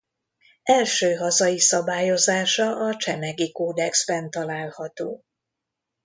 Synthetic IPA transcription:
ɛlʃøːɦɒzɒjisɒbaːjo̞zaːʃɒɒt͡ʃɛmɛɡikoːd̪ɛksbɛnt̪ɒlaːlhɒt̪oː

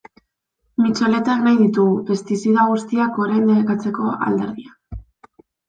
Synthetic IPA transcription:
mit͡so̞le̞t̪aknajðit̪uɣue̞st̪isiðaɣ̞ust̪iako̞ɾejnd̪eekat͡se̞ko̞ʔa̰ld̪e̞ɾðia

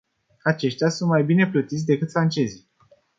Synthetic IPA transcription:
at͡ʃe̞ʃt̪ʲjasunt̪majbine̞plət̪it̪s̬ʲd̪e̞kɨt̪fɾant͡ʃe̞zi

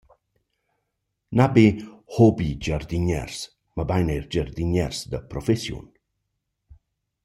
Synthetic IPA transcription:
nabehɔbid͡ʒaɾd̪iɲɛ̰rs | məbajnɛjɾd͡ʒəɾd̪iɲɛɾsd̪əpɾɔfɛsjṵn

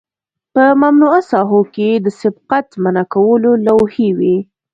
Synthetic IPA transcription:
pəmamnuasɑɦoked̪əsɪb̚qat̪manakawəlolawhiwi

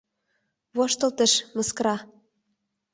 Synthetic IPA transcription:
βoʃt̪ə̆lt̪ə̆ʃməskrɑ

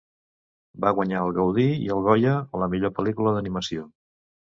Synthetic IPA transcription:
baɣwəɲaəlˠɣəwðiḭəlˠɣɔjəːləmiʎopəlikuləðəniməsio

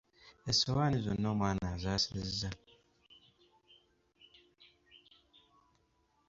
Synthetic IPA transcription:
esowaːnizo̰nːo̞ːmwaːnazaːseza

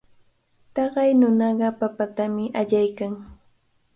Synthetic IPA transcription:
t̪ɑɢɑjnʊnɑɢɑpapat̪amɪʔaʎajkaŋ

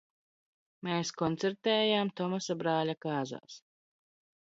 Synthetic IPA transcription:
meːskɔnt̪sɛɾt̪ɛːjaːmt̪ɔmasabɾaːlʲakaːza̰ːs

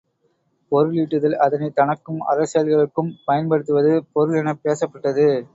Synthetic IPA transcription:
pɔɾɯɭiːʈːɯðɐlɐðɐnɐɪt̪ɐɳɐkːɯmɐ̰ɾɐsɐjɐlɣɐɭɯkːɯmpɐjɐnpɐɽɯt̪ːɯʋɐðɯpɔɾɯɭɪnɐpeːsɐpːɐʈːɐðɯ

